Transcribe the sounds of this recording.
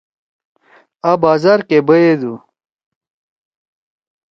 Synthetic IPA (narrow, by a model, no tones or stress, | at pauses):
abaːzaːɾkebɐed̪u